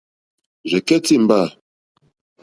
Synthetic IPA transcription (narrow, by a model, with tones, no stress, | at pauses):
ʒɛ˨kɛ˦ti˦˨m̩˨ba˦˨